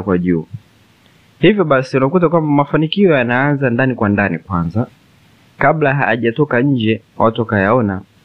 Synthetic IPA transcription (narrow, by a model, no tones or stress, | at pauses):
kwaʄuː | hivjɔɓasiunakut̬akwambamafanikiɔjanaanzandanikwandanikwanza | kablaɦaːʄatɔkaɲ̩d͡ʒɛwatuakajaɔna